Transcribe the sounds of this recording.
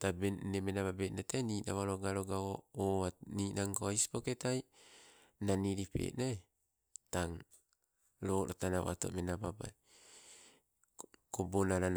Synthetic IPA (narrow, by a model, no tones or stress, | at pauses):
tabenemenaβabenataniːna̰βaɾoɡaɾoɡaooaniːnʔaŋkoajsi̥poketaj | naniɾipḛʔna | taŋ | ɾoːɾo̰tana̰ʔa̰to̰menababa̰j | kobonaɾan